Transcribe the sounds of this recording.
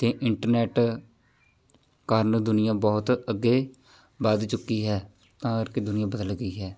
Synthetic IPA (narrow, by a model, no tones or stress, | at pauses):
t̪eːʔɪɳʈəɾnɛːʈ | kəɾnd̪ʊnɪjãːbɔːt̪əɡːeː | bəd̪t͡ʃʊkːiːɦɛː | t̪ãːəɾkeːd̪ʊnɪjãːbəd̪əlɡəiːɦɛː